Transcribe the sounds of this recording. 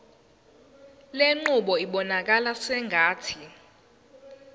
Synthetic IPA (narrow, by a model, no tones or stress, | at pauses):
leŋ͡ǃuɓɔiɓɔnak̬alasɛŋʱaːtʰi